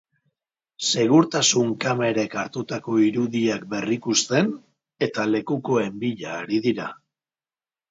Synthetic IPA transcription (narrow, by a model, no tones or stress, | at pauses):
se̞ɣ̞uɾt̪asuŋkame̞ɾe̞kaɾt̪ut̪ako̞iɾuðiak̚be̞rikust̪e̞n | e̞t̪ale̞kuko̞e̞mbiʎaːɾiðiɾa